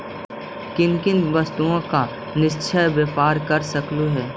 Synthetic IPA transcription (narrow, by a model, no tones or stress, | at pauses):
kɪnkɪnʋɐst̪uõka | nɪst͡ʃʰəjʋjəpaːɾkɐɾsɐkluɦɛː